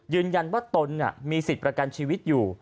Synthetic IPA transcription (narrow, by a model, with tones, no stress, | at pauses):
jɯː˧nja˧nwaː˥˩t̪o˧nːi˥˩miː˧si˨˩t̪̚pɾa˧ka˧nt͡ɕʰiː˧wi˦˥t̪̚juː˨˩